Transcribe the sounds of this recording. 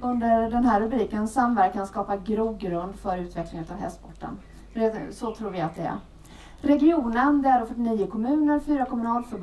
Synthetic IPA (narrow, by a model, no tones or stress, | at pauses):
ɵnd̪əɖɛnɦæːɾɾɵbɾiːkənsːamvæɾkkʰːanskɑːpaɡɾuːɡɾɵnd̪fœɾʉ̟ːt̪ʰvɛklɪŋɵt̪avɦɛ̰st̪̚pʰɔʈːə̰n | fɖɛsɔt̪ʰɾuːɾvɪat̪̚d̪ɛæ̰ɾ | ɾɛɡɪuːnənd̪ɛæɖɔfœʈ̬ːɪniːʊkʰɔmʉ̟ːnəɾfyːɾakʰɔmɵnɑːlfœɾb